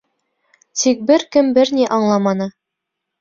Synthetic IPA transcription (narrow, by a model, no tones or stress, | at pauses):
t̪ik̚bɘɾkɘmbɘɾniʔɑɴlˠɑmɑnɤ